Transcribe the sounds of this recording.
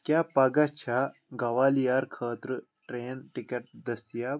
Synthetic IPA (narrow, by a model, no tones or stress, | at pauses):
kʲjaːpɐɡɐt͡ʃʰaːɡɐʋaːlijaːɾkʰaːt̪ɾ | ʈɾeːnʈikɐʈ̚d̪ɐsijaː